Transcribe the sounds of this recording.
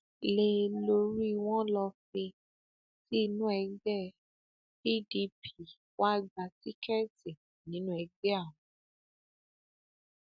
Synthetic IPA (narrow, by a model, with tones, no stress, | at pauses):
le˧lo˧ɾi˦˧w̃ɔ̃˦lɔ˧fe˧ | ti˦˧nũ˦ɛ˧ɡɛ˦˨ | bi˦˨di˧pʰi˨ | wa˦ɡ͡ba˧ti˦kʰɛ˦ti˨ | nĩ˨˦nũ˦ɛ˧ɡɛ˦a˦˨wũ˨